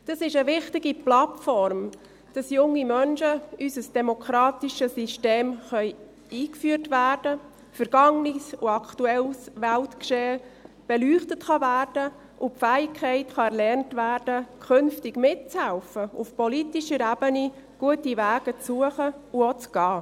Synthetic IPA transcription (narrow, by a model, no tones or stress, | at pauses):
d̥ɑsɪʃəʋɪχtɪɡiplɑtfɔɾm | d̥ɑsjʊŋːimœnʃəysəsd̥ɛmokʰɾɑːtiʃəsiʃteːmχœʏ | iːkfyːərtʋæːrd̥ə | fəɾɡ̥ɑŋnisuɑkʰtuɛlsʋæltkʃeː | b̥ɛlyːχtətχɑvæːrd̥ə | ʔʊpfæːɪkʰχɛɪtχɑɛɾlɛrntʋæːɾd̥əkʰʏnftɪɡ̥mɪt̚t͡shælfəufpɔlitiʃəɾæbəni | ɡ̥uətiʋæːɡ̥ət͡sːuəχəuot͡sɡ̥ɑː